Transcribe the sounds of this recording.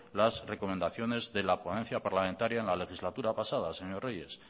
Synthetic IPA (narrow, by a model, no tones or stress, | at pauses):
lazre̞ko̞mẽnd̪aθjo̞ne̞zðe̞laponẽ̞nθjapaɾlamẽnt̪aɾjaenlale̞xizlat̪uɾapasað̞ase̞ɲo̞rre̞je̞s